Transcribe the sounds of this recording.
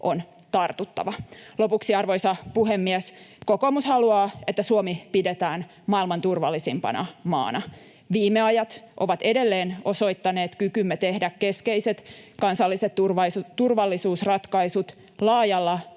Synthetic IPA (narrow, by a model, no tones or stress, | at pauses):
ʔon | t̪ɑrt̪ut̪ːɑ̰ʋɑlopuksiɑrʋo̞jsɑpuɦemːiesko̞ko̞mushɑluɑːet̪ːæsuomipidet̪æːn | mɑilmɑnt̪urʋɑlːisimpɑ̰nɑ̰mɑ̰ːnɑ | ʋiːmːeɑjɑt̪ʔo̞ʋɑt̪e̞de̞lːeːno̞so̞it̪ːɑneːt̪kykymːet̪e̞hdække̞skejse̞t̪kɑnsɑlːiset̪urɑst̪urʋɑlːisuːsrɑt̪kɑisut̪ | lɑːjɑlːɑ